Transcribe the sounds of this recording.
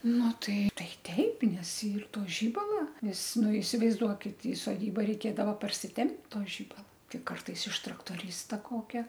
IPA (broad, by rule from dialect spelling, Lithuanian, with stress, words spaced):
ˈnʊ ˈtɐɪ ˈtɐɪ ˈtʲɛɪp nʲɛs ˈiːr ˈtoː ˈʒʲiːbɐlˠɐ ˈnʲɛs ˈnʊ ɪsʲɪʋɐɪzˈduɔkʲɪt ɪ soːˈdʲiːbɐ rʲɛɪˈkʲeːdɐʋɐ pɐrʲsʲɪˈtʲɛmʲpʲtʲ ˈtoː ʒʲɪbɐlˠɐ ˈtʲɪ ˈkɐrtɐɪs ɪʃ trɐktoːˈrʲiːstɐ ˈkoːkʲɛ